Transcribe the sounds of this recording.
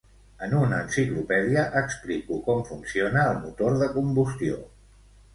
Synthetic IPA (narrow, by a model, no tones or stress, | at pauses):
ənunəːnsiklupɛðiəʔəksplikukɔmfunsionəːlˠmut̪oɾðəkumbust̪io̰